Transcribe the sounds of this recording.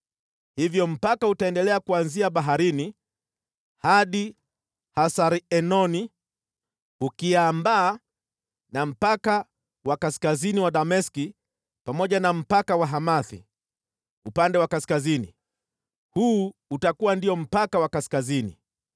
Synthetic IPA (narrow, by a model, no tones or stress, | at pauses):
hivjɔm̩pakautaɛndɛlɛakuanziaɓaɦaɾini | haɗi | hasaɾiɛnɔni | ukiambaː | nam̩paka | wakaskaziniwaɗamɛski | pamɔʄanam̩pakawaɦamaθḭ | upandɛwakaskazinḭ | huːutakuwandiɔm̩pakawakaskazinḭ